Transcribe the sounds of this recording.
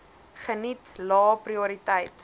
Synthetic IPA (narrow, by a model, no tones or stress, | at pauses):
χənitlɑːpriuɾitəjt